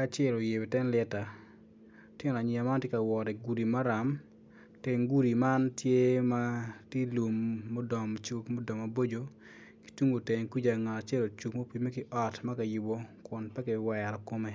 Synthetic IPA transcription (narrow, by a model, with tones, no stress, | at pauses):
ka˦t͡ʃɪɛ˦lo˨je˨be˨tɛ˦nlɛ˦ta˨ | tɛ˦ŋo˨na˨ɲi˨a˨ma˦ntje˦ka˨wɔ˨ɾɛ˨ɡu˨ɾi˨ma˦ɾa˨m | te˨ŋɡu˦ɾi˨ma˦ntje˦ma˦tje˦lu˨mːo˦dɔ˨m˨t͡ʃu˦kmo˦dɔ˨ma˨bo˦d͡ʒo˨ | ki̥˦tu˦ŋɡo˨te˨ŋki˦d͡ʒa˨ŋa˨a˨t͡ʃɛ˦lo˨t͡ʃu˨kmo˦pi˦me˦kɪ˦ʔɔ˨tma˦ka˨ji˨bo˦kʊ˨npɛ˦kɪ˨wɛ˨a˨ɾɔ˨ko˦mɛ˨